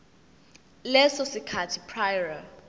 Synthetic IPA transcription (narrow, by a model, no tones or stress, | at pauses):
lɛsɔsikʰatʰipʰrajra